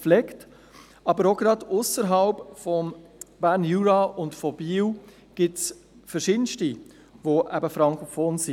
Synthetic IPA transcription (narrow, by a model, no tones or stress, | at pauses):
flɛkt | ɑbəɾoɡɾɑdʊsəɾɦɑlpfɔmb̥æːɾnjuːɾɑʊntfɔb̥iːw | ɡ̥ɪtsfəɾʃɪdən̩ʃti | ʋoʔæbəfɾɑŋkʊfɔːnsi